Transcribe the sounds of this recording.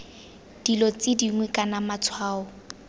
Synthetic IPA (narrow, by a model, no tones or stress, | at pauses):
d̥ilɔt͡sʼɪdiŋwɛkʼanamat͡sʰwaːɔ